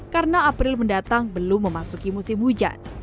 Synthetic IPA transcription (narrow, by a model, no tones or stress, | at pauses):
kaɾənaːpɾɪlməndat̪aŋbəlʊmːəmasukimusɪmhud͡ʒa̰n